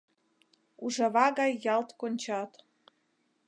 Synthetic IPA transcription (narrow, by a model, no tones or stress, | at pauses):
uʒɤ̆βɑɣɑjːɑlt̪konʲt͡ɕɑt̪